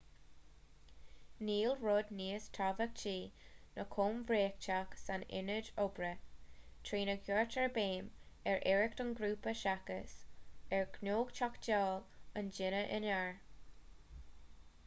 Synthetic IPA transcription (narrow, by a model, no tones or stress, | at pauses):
niːlɹʊd̪niːəstʰavək̚t͡ʃʰiːnəkʰoːmvɾeːk̚t͡ʃaksanɪ̰nəd͡ʒobɾət̪ʰɹiːnəɡjɔɹtʰəɹbeːm | ɛɹʔɛɹɪk̚tənɡɾuːpəʃakə̰sɛɹɡnoːɡt͡ʃakd͡ʒɔːlənd͡ʒɪnəʔɪnɛɹ